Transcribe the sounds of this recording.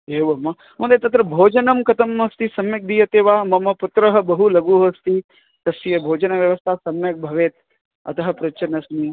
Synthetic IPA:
eːʋɐmɐ | mɐ̃nd̪et̪ɐt̪ɾɐbʱoːd͡ʒɐnɐmkɐt̪ɐmɐst̪isɐmjɐk̚d̪ijɐt̪eːʋaːmɐmɐput̪ɾɐɦɐ̆bɐɦulɐɡuːɦɐst̪i | t̪ɐsijɐbʱoːd͡ʒɐnɐʋjɐʋɐst̪ʰaːsɐmjɐk̚bʱɐʋeːt̪̚ | ɐ̰t̪ɐɦɐ̆pɾɐt͡ʃɐnɐsni

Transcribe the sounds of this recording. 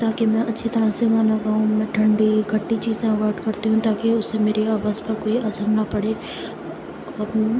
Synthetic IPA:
t̪aːkemɛ̃ʔɐtːʃʰit̪ɐɾaseɡaːnaɡaːɦũmɛ̃ːʈʰɐ̃ɳɖikʰɐʈːit͡ʃiːzẽʋɐɾʈkɐɾt̪iɦũt̪aːkeʊsːemeːɾeaːʋaːzpɐɾkoːiʔɐsəɾnapɐɽeː

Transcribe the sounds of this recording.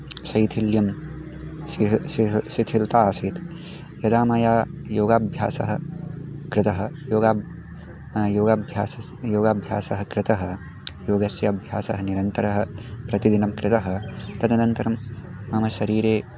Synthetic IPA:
sɐjt̪ʰiljɐm | sisiɦsit̪ʰilt̪aːsit̪ | jɐd̪aːmaːjaːjoːɡaːbʱja̰ːsɐ̰ɦɐkɾɪt̪ɐɦɐ̆joːɡaː | joːɡaːbʱjaːsɐ | joːɡaːbʱja̰ːsɐɦɐkɾɪt̪ɐɦɐ̆ | joːɡɐsjɐːbʱjaːsɐ̰ɦɐniɾɐnt̪ɐɾɐɦɐ̆pɾɐt̪id̪inɐmkɾɪt̪ɐɦɐ̆t̪ɐd̪ʱɐnɐnt̪ɐɾɐmː | ɐmɐʃɐɾiːɾeː

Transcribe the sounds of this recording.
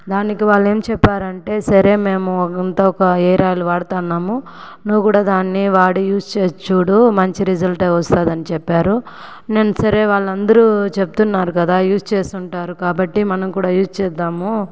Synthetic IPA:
d̪aːnikiʋaːɭːe̞ːmt͡ʃɛpːaːɾɐɳʈe̞ːsɐɾe̞ːme̞ːmunt̪aːɔkɐɛːɾaːluʋaːɽɐt̪aːnːaːmu | nuʋukuːɽaːd̪aːnːiʋaːɽujuːst͡ʃeːt͡ʃuːɽumɐɲt͡ʃiɾizɐlʈɐɐst̪aːd̪ɐnit͡ʃɛpːaːɾu | neːnːɐsɐɾe̞ːʋaːɭːɐnd̪ɐɾut͡ʃeput̪unːaːɾukɐd̪aːjuːst͡ʃeːst̪uɳʈaːɾukaːbɐʈːimɐnɐmkuːɽaːjuːst͡ʃɛːd̪ːaːmu

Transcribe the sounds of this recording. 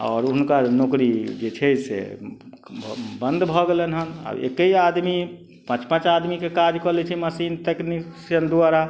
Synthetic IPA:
ɔ̰ːɾuɦnkanokɾid͡ʒet͡ʃʰɛsḛ | bʱbənd̪bʱɔɡelenɦəna̰bḛkəiad̪mi | pãt͡ʃpãt͡ʃad̪mikekad͡ʒkɔɾlɛt͡ʃʰɛməsint̪eknisijənd̪uaɾa

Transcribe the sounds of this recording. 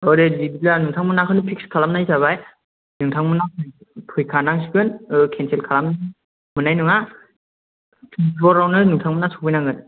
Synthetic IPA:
ɔɾedibilanɯŋtʰaŋmɯnakʰɯnɯpʰikskʰalamnajsaβaj | nɯŋtʰaŋmɯnakɯpʰɯjkʰanaŋsikɯnɯkʰensʰelkʰalamna | mɯnajnɯŋa | tʰiibɔɾawnɯnɯŋtʰaŋmɯnasu̥kpʰɯjnaŋɡɯn

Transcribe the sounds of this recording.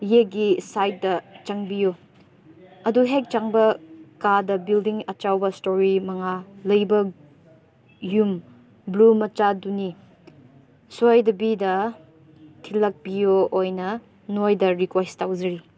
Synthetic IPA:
jeɡisajt̚dɐt͡ʃɐŋbijo | ɐduɦek̚t͡ʃaŋbɐkadɐbildiŋɐt͡ʃawbɐstoɾimɐŋalɐjbɐ | jum | blumɐt͡ʃaduni | sojdɐbidɐ | tʰilɐk̚bijoojnɐ | nojdɐɾikwestawzɐɾi

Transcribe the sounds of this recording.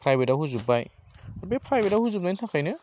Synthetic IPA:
pʰɾajbetahuzubajaɾbepʰɾajbetahuzup̚najntʰakʰajnɯ

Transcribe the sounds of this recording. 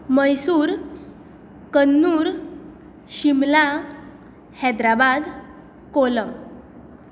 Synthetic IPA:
məjsuːɾ | kənːuːɾ | ɕimla | hɛd̪ɾabad̪ | kolə

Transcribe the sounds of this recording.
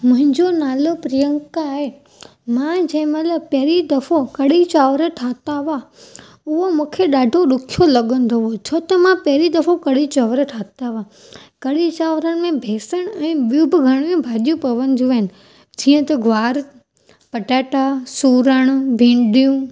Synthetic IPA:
mʊ̃ɦɪ̃ɲd͡ʑonaːlopɾijə̃ŋkaːɦe | mãd͡ʑɐ̃ɦɪ̃mɐt̪ləb̚pɐɦɾid̪ɐfokɐɽit͡ɕaːʋɾəʈʰaːt̪aʋa | ʊɦomũːkʰeɗaːɖʱoɗʊkʰijolɐɠə̃nd̪ʱoot͡ɕʰoːt̪ɐmãpɐɦɾid̪ɐfokɐɽit͡ɕaːʋɾəʈʰaːt̪aʋa | kɐɽit͡ɕaːʋɾəñɪ̆mẽbʱeːsəɽ̃ɛ̃ːɓijũbɪɡʱɐɽ̃mẽbʱaːɗijũpɐʋənd̪ʱuɦɪnɪ̆ | d͡ʑiːə̃t̪ɐɡʱʋaːɾ | pɐʈaːʈasuːɾəɽ̃bʱĩːɳɖijũ

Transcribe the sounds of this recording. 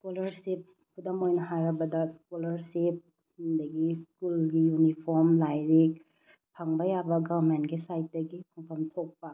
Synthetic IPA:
skolɐɾsip̚ | kudɐmojnɐɦaɾɐbɐdɐskolɐɾsip̚ | hundɐɡiskulɡijunipʰoɾmlajɾik | pʰɐŋbɐjabɐɡaɾmentɡisajt̚dɐɡipʰɐŋpʰɐmtʰok̚pɐ

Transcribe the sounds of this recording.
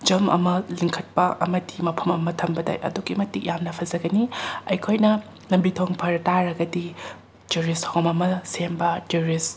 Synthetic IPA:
d͡ʒɐmɐ̰mɐliŋkʰɐt̚pɐʔɐmɐdimɐpʰɐmɐmɐtʰɐmbɐdɐ̰jɐ̰duɡimɐtik̚jamnɐpʰɐzɐɡɐniɐjkʰojnɐ | lɐmbitʰoŋpʰɐɾtaɾɐɡɐdi | d͡ʒuɾisthomɐmɐsembɐtuɾis

